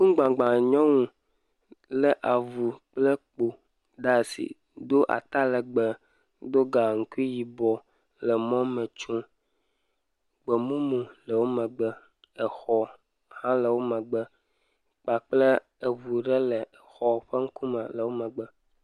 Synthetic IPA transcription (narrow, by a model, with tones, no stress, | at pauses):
kũ˦ɡ͡bã˨ɡ͡bã˨ɲɔ̃˦ŋũ˨ | lə˨ʔa˨vu˨k͡plə˦k͡po˨ | ɖa˦˨sḭ˨ | d̪o˦ʔa̰˨t̪a˦lə˨ɡ͡bə˨ | d̪o˦ɡa˨ŋ̩˨ku˦i˦ji˨bɔ˨ | lə˨mɔ̃˦mə̃˨t͡ʃũ˦ | ɡ͡bə˨mũ˦mũ˨lə˨wo˦mə̃˨ɡ͡bə˦ | ə˨xɔ˨ | hã˦lə˨wo˦mə̃˨ɡ͡bə˦ | k͡pa˨k͡plə˦ | ə˨vu˨ɖə˦lə˨xɔ˨ɸə˦ŋ̩˦ku˦mə˨lə˨wo˦mə̃˨ɡ͡bə˦